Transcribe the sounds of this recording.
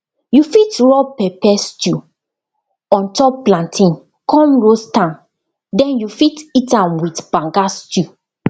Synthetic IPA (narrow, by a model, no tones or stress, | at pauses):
jufitɹɔpɛpɛstu | ɔ̃ntɔpːlãntʰĩn | kɔ̃mɹostãn | dɛ̃njufititãmwitb̥ãŋɡastu